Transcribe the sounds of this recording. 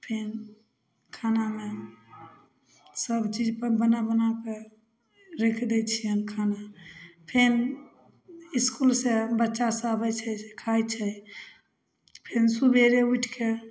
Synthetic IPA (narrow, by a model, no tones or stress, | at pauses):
pʰen | kʰaname | səbt͡ʃid͡ʒpəbənabənake | ɾekʰd̪ɛt͡ʃʰijənkʰanapʰen | iskulsebətːʃasabɛt͡ʃʰɛekʰajt͡ʃʰɛ | pʰensubʱeɾeuʈʰke